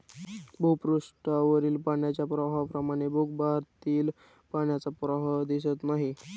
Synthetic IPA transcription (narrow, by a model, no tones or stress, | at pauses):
bʱupɾuʂʈaʋəɾiːlpaɳjat͡ɕjapɾəɦapɾəmaɽ̃ebʱuk̚baɾt̪iːl | paɳjat͡sapɾəɦəd̪is̬ət̪naɦi